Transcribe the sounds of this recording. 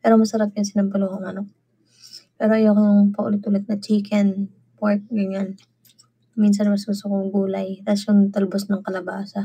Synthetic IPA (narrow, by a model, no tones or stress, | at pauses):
pɛːɾomɐsɐɾap̚jɐnsɪnɐmbʊloŋɐŋɐno | pɛːɾoʔɐjokoŋpɐʔʊ̰lɪt̪ʔʊlɪt̪̚nɐt͡ʃiːkʰɛn | paɹk̚ɡɐŋan | minsɐnmɐsɡʊst̪okoŋɡuːlɐjt̪ɐsjʊŋt̪ɐlbosnɐŋkɐlɐbaːsɐ